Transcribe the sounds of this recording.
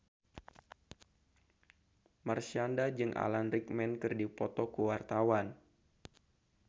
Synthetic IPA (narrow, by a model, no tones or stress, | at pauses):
marsiandad͡ʒɨŋʔa̰lanɾik̚mɛnkɨrdipɔt̪ɔkuwart̪awan